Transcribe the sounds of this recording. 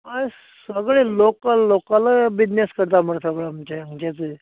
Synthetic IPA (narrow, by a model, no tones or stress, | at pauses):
a | səɡɭelokəlːokaləbinːeskəɾt̪aməɽsəɡɭaməmt͡ɕeəŋt͡ɕet͡se